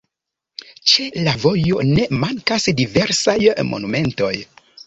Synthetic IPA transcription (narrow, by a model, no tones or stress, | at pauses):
t͡ʃe̞lavo̞jo̞ne̞maŋkasdive̞ɾsajmʔo̰nume̞nto̞j